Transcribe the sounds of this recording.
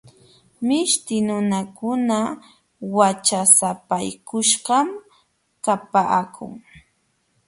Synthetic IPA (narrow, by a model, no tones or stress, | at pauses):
mɪʃt̪ɪnʊnakʊna | wat͡ʃasapajkʊʃɢɑm | kapakʰʊ̰ŋ